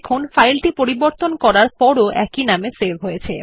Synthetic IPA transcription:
kʰonfajlʈipoɾiboɾt̪onkɔɾaɾpɔɾoʔɛ̰kinamesebɦojet͡ɕʰe

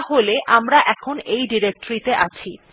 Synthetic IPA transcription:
ɦoleʔamɾaʔɛkʰonejɖiɾek̚ʈoɾit̪eʔat͡ɕʰi

